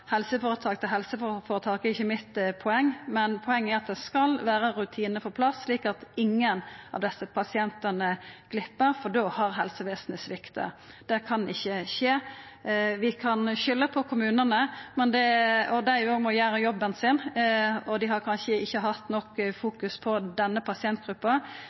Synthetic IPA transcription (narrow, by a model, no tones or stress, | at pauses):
hɛlsəfoːɾət̪ʰɑːk̚t̪əɦɛlsəffoːɾət̪ʰɑːkɛɾɪçːəmɪt̪ːpʰɔɛŋːmɛnpʰɔɛŋːɛɾɑt̪̚d̪ɛskɑlʋæːɾəɾʉt̪ʰiːnəfɔɾpʰlɑsːliːkɑt̪ɪŋːənɑ̰ʋd̪ɛsːəpʰɑsɪɛnt̪ənəɡ̥lɪpːəɾfɔd̪oːhɑɾɦɛlsəʋeːsn̩əsʋɪkt̪ʰə̰ | d̪̥ɛkʰɑnɪçːəʃeː | ʋɪkʰɑnʃʏlːəpʰɔkʰʊmʉːnənəmɛnd̪ɛɔd̪æjʉoɡmɔjæːɾəjɔbːənsɪnɔd̪ɪɦɑɾkʰɑnʃəɪçːəɦɑt̪nɔkːfuːkʉspʰɔd̪ɛnːəpʰɑsɪɛnt̪̚ɡ̥ɾʉpːɑ